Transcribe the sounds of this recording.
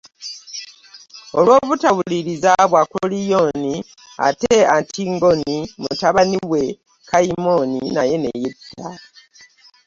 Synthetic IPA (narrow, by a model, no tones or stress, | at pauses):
olwo̞ːβutawuliɾizaβwakolijoni | a̰teantʰiŋɡonimutaβaniβwe̞ | kaimoninaje̞nḛjidːa